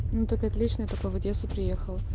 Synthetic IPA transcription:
nut̪akɐt̪lʲit͡ɕnɨjt̪okəvɐdʲesʊpɾʲɪjexəlˠ

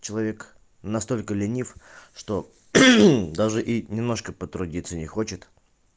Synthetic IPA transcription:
t͡ɕɪlˠɐvʲe̞k | nɐst̪o̞lʲkəlʲɪnʲifʂt̪o̞ | d̪aʐɨʔinʲɪmno̞ʂkəpət̪ɾʊdʲit̪sːənʲɪxo̞t͡ɕɪt̪

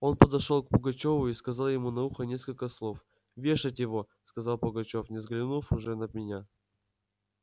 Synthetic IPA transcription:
o̞npəd̪ɐʂolˠk̚pəɡɐt͡ɕo̞vʊiskɐzɑlˠjɪmunɐuxənʲe̞skəlʲkəslˠo̞f | vʲe̞ʂɨtʲjɪvo̞ | skɐzɑlˠpəɡɐt͡ɕo̞fnʲɪzɡlʲɪnufʊʐɛnəd̪mʲɪnʲa

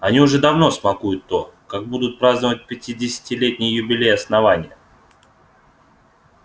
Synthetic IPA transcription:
ɐnʲiʊʐɛd̪ɐvno̞smɐkujʊt̪ːo̞kaɡ̚bud̪ʊt̪̚pɾaznəvət̚ʲpʲɪtʲidʲɪsʲɪ̥tʲɪlʲetʲnʲɪjəjʊbʲɪlʲejɐsnɐvanʲɪjə

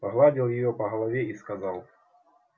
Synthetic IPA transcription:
pɐɣlˠadʲilˠjɪjɔpɐɣɐlˠavʲeiskɐzalˠ

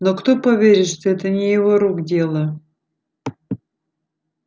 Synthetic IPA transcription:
nokt̪opɐvʲeɾʲɪt̪ʂt̪oɛt̪ənʲɪjɪvoɾuɡdʲelˠə

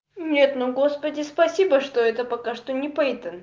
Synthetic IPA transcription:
nʲet̪nuɡospədʲɪspɐsʲibəʂt̪oɛt̪əpɐkaʂt̪onʲɪpɛjt̪ən

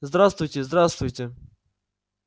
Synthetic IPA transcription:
zd̪ɾast̪vʊjtʲɪzd̪ɾast̪vʊjtʲɪ

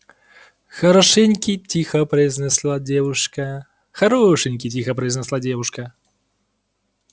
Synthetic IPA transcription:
xɐɾɐʂɛnʲkʲitʲixɐpɾɐznɛslˠadʲɛvuʂkɐ | xɐɾɔʂɨnʲkʲitʲixɐpɾɐjznɛslˠadʲɛvuʂkɐ

